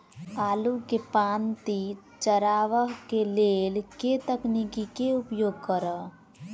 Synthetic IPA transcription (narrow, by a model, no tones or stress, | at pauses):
aːlukepãːnt̪i | t͡ʃəɾaːʋəɦkeleːlket̪əknikikeʊpjoːɡ̚kəɾə